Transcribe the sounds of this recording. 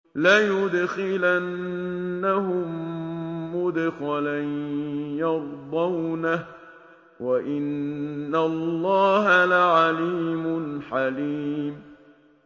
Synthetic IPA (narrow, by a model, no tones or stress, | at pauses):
lajʊd̪xɪlanː | ahʊmː | ʊd̪xalajjɑɾd̪ˤɑwnah | waʔɪnːalˤːɑːɦalaʕaliːmʊnħaliːm